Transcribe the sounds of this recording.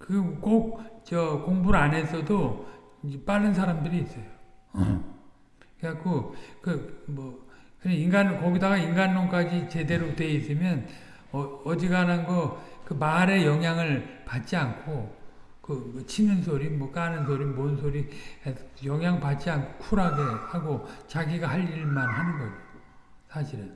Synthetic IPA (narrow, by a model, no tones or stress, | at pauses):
kɯk͈ok̚t͡ɕʌkoŋbuɾane̞sʰʌdo | ep͈aɭːɯns̬ʰaɾamdɯɾiːs͈ʌjo | kakokɯmʌkɯɲainɡankʌɡidaɡainɡanːoŋk͈ad͡ʑit͡ɕe̞de̞ɾotwe̞is͈ɯmjʌn | ʌʌd͡ʑiɡananɡʌkɯmaɾe̞jʌŋɦjaŋɯɭpat̚t͡ɕ͈iankʰo | kɯmʌt͡ɕʰinɯnsʰoɾimwʌk͈anɯnsʰoɾimonsʰoɾi | jʌŋɦjaŋɭpat̚t͡ɕ͈iankʰo̥kʰuɾaɡehaɡot͡ɕaɡiɡahaʎiɭmanhanɯnɡʌd͡ʑiɡo | sʰaɕʰiɾɯn